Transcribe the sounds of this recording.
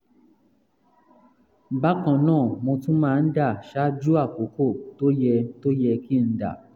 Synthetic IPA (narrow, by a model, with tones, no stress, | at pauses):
ba˦kã˧nãː˦˨mõ˧tũ˦mãː˦˧n̩˦da˦˨ʃa˦d͡ʒu˦a˦˨ko˨˦ko˦˨to˦jɛ˧to˦jɛ˧ki˦n̩˦da̰˦˨